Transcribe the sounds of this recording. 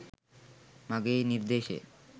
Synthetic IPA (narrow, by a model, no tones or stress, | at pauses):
maɡejniɾd̪eʃḛ